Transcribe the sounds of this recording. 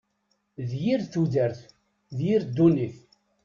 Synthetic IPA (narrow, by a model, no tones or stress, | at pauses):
ðjiɾθuðəɾθ | ðjiɾd̪ːuniθ